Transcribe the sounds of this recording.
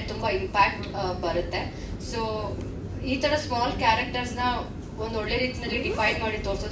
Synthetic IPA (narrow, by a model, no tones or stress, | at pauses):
t̪umbɐimpæk̚ʈbɐɾɨt̪ːe | so | iːt̪ʰɐɽɐsmɔːlkaːɾek̚ʈəɾsnɐ | ond̪oɽleɾiːt̪inɐlːiɖifajɖmaɽit̪oːɾso